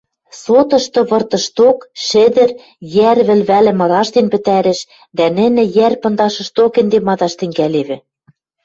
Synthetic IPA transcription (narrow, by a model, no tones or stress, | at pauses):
sot̪ɤ̆ʃt̪ɤ̆βɤ̆rt̪ɤ̆ʃt̪okʃɘ̆d̪ɘ̆r | jæɾβɘ̆lβælɘ̆mɤ̆ɾɑʃt̪enpɘ̆t̪æɾɘ̆ʃ | d̪ænɘ̆nɘ̆jærpɤ̆nd̪ɑʃɤ̆ʃt̪okɘ̆nd̪emɑd̪ɑʃt̪ɘ̆ŋɡæleβɘ̆